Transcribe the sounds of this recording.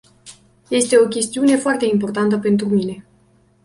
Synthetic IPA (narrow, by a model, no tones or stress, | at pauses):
je̞st̪e̞o̞kʲe̞st̪iune̞foart̪e̞impo̞rt̪ant̪əpe̞nt̪ɾumine̞